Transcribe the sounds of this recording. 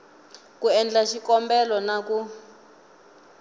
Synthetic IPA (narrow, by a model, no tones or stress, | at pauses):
kuɛnd͡ɮaʃikɔmbɛlɔnaku